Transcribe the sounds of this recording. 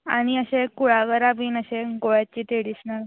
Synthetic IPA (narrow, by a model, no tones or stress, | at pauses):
a̰ɽ̃iəɕekuɭaɡəɾabiːnəɕeɡoɭjat͡ɕiːt̪eɽiːsnaɾ